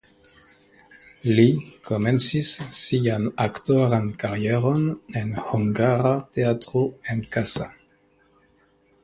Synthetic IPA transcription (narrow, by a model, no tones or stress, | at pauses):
likʰomensisːianakt̪oʁankaʁjeʁonenhuŋɡaʁat̪eat̪ʁoenkasa